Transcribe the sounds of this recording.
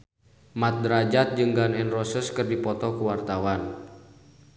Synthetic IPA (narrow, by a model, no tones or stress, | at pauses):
mat̪̚dəɾad͡ʒat̪̚d͡ʒɨŋɡanɛnrɔsəskərdipɔt̪ɔkuwart̪awan